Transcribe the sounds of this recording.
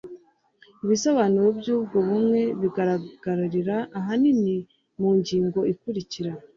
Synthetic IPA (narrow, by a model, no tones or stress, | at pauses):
iβisaβaniɾobjuːb̚ɡo̞βumŋe̞βiɡaɾaɡ̥aɾaɾiɾaʔːɦanini | muːɲɟiːŋɡo̞ikuɾiciɾa